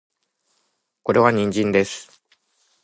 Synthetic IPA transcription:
ko̞ɾe̞βaɲ̟ĩɲ̟d͡ʑĩnd̪e̞sɨ̥

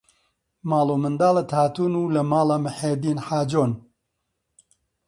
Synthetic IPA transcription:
maːlˠomɨnd̪aːlˠɐt̪ʰaːt̪uːnuːlɐmaːlɐmɨħeːd̪iːnħaːd͡ʒoːn

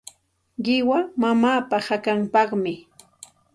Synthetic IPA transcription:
ɢɪwamamaːpahakampɑχmɪ

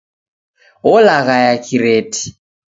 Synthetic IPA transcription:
ʊlaɣajakʰʼiɾeːtʰʼi̥

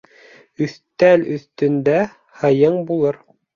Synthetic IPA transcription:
ɵ̆θt̪ælɵ̆θt̪ɵ̆nd̪æ | hɤ̆jɤɴbulˠɤɾ

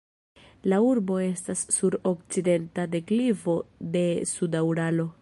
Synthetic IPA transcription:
lauɾbo̞e̞stasːuɾo̞k̚t͡side̞ntade̞klivo̞de̞sudauɾalo̞

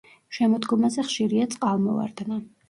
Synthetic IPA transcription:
ʃɛmɔd̪ɡɔmazɛχʃiɾiat̪sʼqʼalˠmɔva̰ɾd̪na

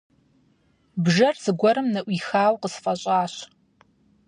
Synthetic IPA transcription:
bʒɐrz̥ɨɡʷɔɾɨmnɐʔʷiːxaːwqəsfʼɐɕʼaːɕ

